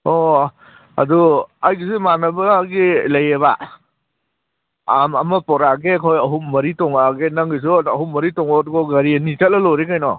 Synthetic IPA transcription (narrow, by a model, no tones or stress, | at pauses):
ɔ | ɐ̰duajɡisimanɐbɐɡilɐjeβa̰ | amɐmɐpɔɾaɡekʰɔjɐɦummɐɾitɔŋaɡenɐŋɡis̬uɐɦumɐɾitɔŋɔtɡɔɡɐɾiɐnit͡ʃɐt̚lɐlɔɾekajnɔ